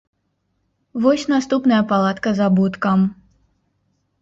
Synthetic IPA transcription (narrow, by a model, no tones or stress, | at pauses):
vɔsʲnast̪upnɐjɐpalˠat̪kɐzabut̪kɐm